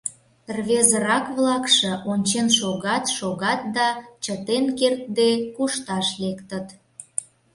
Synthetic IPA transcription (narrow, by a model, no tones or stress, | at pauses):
rβezəɾɑkβlɑkʃə̆ʔonʲt͡ɕenʃoɣɑt̪ʃoɣɑt̪̚d̪ɑt͡ɕət̪enkert̪̚d̪ekuʃt̪ɑʃlekt̪ət̪